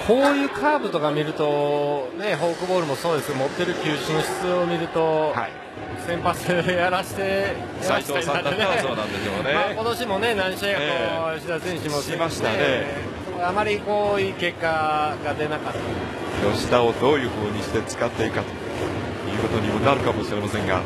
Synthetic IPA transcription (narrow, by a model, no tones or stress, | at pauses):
kʰo̞ːjɯ̟ːkʰaːbɯ̟t̪o̞kamʲiɾɯ̟t̪o̞ne̞ɦo̞ːkɯ̟bo̞ːɾɯ̟mo̞so̞ːd̪e̞sɨjomo̞t̪ːe̞ɾɯ̟kʲɨːɕɨno̞ɕi̥t͡sɨomʲiɾɯ̟t̪o̞ha̰ḭ | sẽ̞mpasɨd̪ejaɾaɕi̥t̪e̞ | jsaaaioaiãat̪ːenaoːnãnd̪eskmonemaːko̞t̪o̞ɕimo̞ne̞nãɰ̃ɕaɡakojoɕid̪azẽɲ̃iɕimaimaɕi̥t̪ane | sokoamaɾʲiko̞ːiːke̞kːaɡad̪e̞nakat̪ːae | jo̞ɕi̥d̪aod̪o̞ːjɯ̟ːɸɯ̟ːɲ̟iɕi̥t̪e̞t͡sɨ̥kat̪ːeiɯkat̪o | jɯ̟ːko̞t̪o̞ɲ̟imonaɾɯ̟kamoɕiɾe̞masẽ̞ŋɡa̰